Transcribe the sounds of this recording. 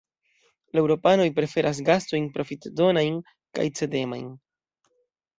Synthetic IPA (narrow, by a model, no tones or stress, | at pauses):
laewɾo̞pano̞jpɾe̞fe̞ɾʔas̬ɡasto̞jnpɾo̞fitdo̞najn | ka̰jt͡se̞de̞ma̰jn